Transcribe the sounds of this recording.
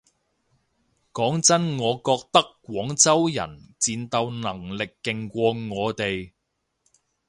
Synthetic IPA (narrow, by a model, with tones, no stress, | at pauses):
kɔː˨˥ŋt͡sɐ˥nŋɔː˨˧kɔː˧k̚t̪ɐ˥kkːʷwɔː˨˥ŋt͡sɐ˥wjɐ̰˨˩nt͡siː˧nt̪ɐ˧wnɐ˨˩ŋlɪ˨kːɪ˨ŋkʷɔː˧ŋɔː˨˧t̪e˨j